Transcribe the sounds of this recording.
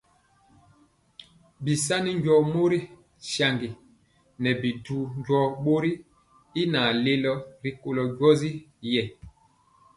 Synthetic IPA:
bi˨s̬a˦ni˦ɲɟɔ˨mo˦ɾi˦ | ʃa˨ŋɡi˨ | nɛ˨bi˨duː˨ɲɟɔ˦ɓo˦ɾi˦ | i˦na˨le˦lɔ˦ɾi˦ko˨lɔ˨ɟwɔ˦zi˦jɛ˨

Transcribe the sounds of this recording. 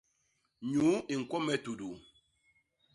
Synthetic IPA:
ɲu˨˦i˨ŋ̩˨kɔ˦mɛ˦tu˨du˨

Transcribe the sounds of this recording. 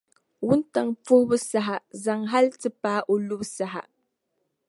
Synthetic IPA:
wʊ˦nta˨ŋfu˦bɨ˦sa˦ɦa˨za˨ŋɦa˦ltɨ˦paː˦ʔo˨lu˦bsa˦ɦa̰˨

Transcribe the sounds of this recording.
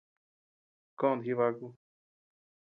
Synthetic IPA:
kõ˦˧˨d̪ɦi˦βa˧ku˦˧

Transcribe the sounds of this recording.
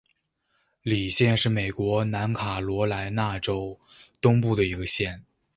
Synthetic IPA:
li˨˩ɕjɛ˥˧nʂɻ̩˥˩me˨˩ɪkwɔ˧˥na˧˥nkʰa˨˩lwɔ˧˥la˧˥ɪna˥˩ʈ͡ʂo˥ʊ | t̪ʊ˥ŋpu˥˩d̪ə˩i˧˥ɡə˧ɕjɛ˥˩n

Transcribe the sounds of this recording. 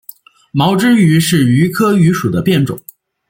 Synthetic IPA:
mɑ˧˥ʊʈ͡ʂɻ̩˥y˧˥ʂɻ̩˥˩y˧˥kʰɤ˥y˧˥ʂu˨˩d̪ə˦pjɛ˥˩nʈ͡ʂʊ̰˨˩˦ŋ

